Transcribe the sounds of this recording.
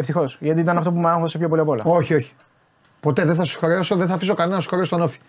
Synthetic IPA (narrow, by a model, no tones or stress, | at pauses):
eft̪ixo̞sʝɐt̪iit̪ɐnɐft̪o̞pumeɐŋxosepçopo̞liɐpo̞lɐ̰o̞çio̞çi̥ | pot̪e̞ðeθɐsu̥xoɾeosoðeθɐfiso̞kɐnenɐnɐsu̥xo̞ɾest̪onofi̥